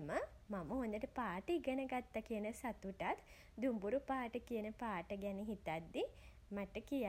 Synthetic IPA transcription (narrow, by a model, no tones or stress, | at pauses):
məmaməɦond̪əʈəpaːʈəiɡənəɡat̪ːakiənəsat̪uʈat̪ | d̪umbuɾupaːʈəkijənəpaːʈəɡɛniɦit̪at̪d̪i | maʈəkija